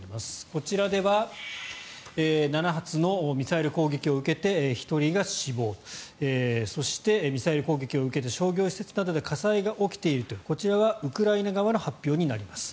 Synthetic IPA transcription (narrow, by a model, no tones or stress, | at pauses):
imasɨ̥ko̞t͡ɕiɾad̪e̞βa | eːnanaɦat͡sɨno̞mʲisaiɾɯ̟ko̞ːɡe̞kʲio̞ɯ̟ke̞t̪e̞çi̥t̪o̞ɾʲiɡaɕibo̞ːeso̞ɕi̥t̪e̞mʲisaiɾɯ̟ko̞ːɡʲe̞kʲio̞ɯ̟ke̞t̪̬e̞ɕo̞ːɡʲo̞ːɕi̥se̞t͡sɨnad̪o̞d̪e̞kʰasaiɡaʔo̞kʲi̥t̪e̞iɾɯ̟t̪oko̞t͡ɕiɾaβaɯ̟kɯ̟ɾainaɡaβano̞hapʲːjo̞ːɲ̟inaɾʲimasɨ̥